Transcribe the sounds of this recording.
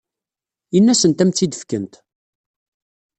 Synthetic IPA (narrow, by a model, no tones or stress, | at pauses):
inːæsənt̪æmt͡s̪ːid̪əfkənt̪